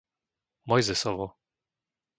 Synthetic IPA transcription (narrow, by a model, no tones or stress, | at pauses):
mɔjzɛsɔvɔ